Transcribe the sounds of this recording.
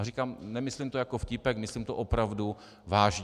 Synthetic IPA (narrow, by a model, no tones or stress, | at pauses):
rikaːmnɛmɪslimt̪ojakofcɪpɛkmɪslimt̪oʔopɾavdu | vaːʒɲ